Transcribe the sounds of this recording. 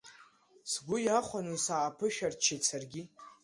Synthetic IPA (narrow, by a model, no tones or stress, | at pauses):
sɡʷʊjaχʷanɨsaːpʰɨʃᶣart͡ʃʰet͡sʰarɡʲi